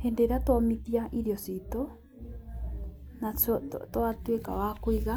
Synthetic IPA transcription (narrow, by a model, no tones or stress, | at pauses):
hendeɾat̪wamit̪iaʔiɾjosit̪o | nat͡st̪oat̪wekawakwiɣa